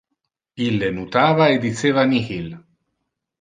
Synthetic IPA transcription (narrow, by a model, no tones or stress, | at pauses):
ilenut̪aβaed̪it͡seβanihil